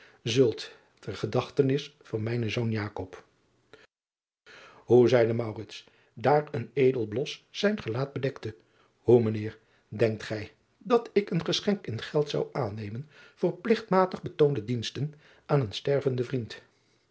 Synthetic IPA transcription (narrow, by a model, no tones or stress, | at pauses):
zɵlˠt | tərχədɑχtənɪsfɑnmɛjnəzownjaːkɔp | ɦuzɛjdəmɑwrɪts | daːrəneːjdəlˠblɔsːɛjnχəlaːd̚bədɛktə | humənɪːɹ | dɛŋk̚tχɛj | dɑtɪkənχəsχɛŋkɪnχɛlˠtsɑ̰wʔaːnejmən | v̥ʊːɹplɪχtmaːtəχbətowndədinstən | aːnənstɛɹvəndəvrint